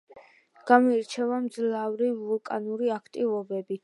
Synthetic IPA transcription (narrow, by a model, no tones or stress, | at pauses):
ɡ̥amɔɛɾt͡ʃʰɛvamd̪zlˠavɾivulˠkʼanuɾiakʰt̪ʼivɔbɛbi